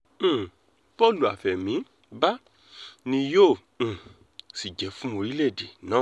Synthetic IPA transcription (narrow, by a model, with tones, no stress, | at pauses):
pɔ˦˨lu˨a˨fɛ˨mĩ˨˦ | ba˦ | nĩ˧jõ˦˨ | si˨d͡ʒɛ˨˦fũ˦mo˧ɾi˦le˦˨de˨nãː˨˦˨